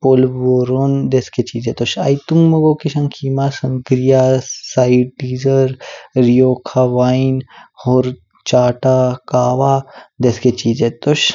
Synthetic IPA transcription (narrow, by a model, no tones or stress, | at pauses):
poːlʋoːɾond̪esket͡ʃiːd͡ʒet̪oʃa̰jt̪uŋɡmɐɡoːkiʃɐŋkʰiːmasɐŋkɾijasaːiʈɖiːzəɾɾijoːkʰaʋaːinhoːɾ | t͡ʃaːʈakaːʋad̪esket͡ʃiːd͡ʒet̪oʃ